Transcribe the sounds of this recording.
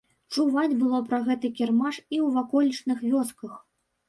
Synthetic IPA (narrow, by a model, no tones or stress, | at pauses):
t͡ʂuvat͡sʲbɨlˠɔpɾɐɣɛt̪ɨkʲɛrmaʂiwvakɔlʲit͡ʂnɨxvʲɔskɐx